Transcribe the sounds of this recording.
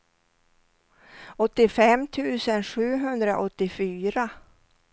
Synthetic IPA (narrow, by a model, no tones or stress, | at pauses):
ɔt̪ːɪfɛmːt̪ʰʉ̟ːsənɧʉ̟ːɦɵnd̪ɾa̰ʔɔt̪ːɪfyːɾa